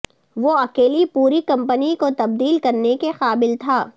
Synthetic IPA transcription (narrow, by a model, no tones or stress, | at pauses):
ʋoɐkeːlipuːɾikɐ̃mpənikot̪ɐb̚d̪iːlkɐɾnekexaːbɪlt̪ʰaː